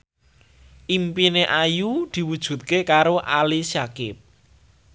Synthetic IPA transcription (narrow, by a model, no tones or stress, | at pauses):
ʔimpineʔajud̪̥i̤wud̥ʒ̥ṳt̪̚kekaɾoʔa̰lisakɪp̚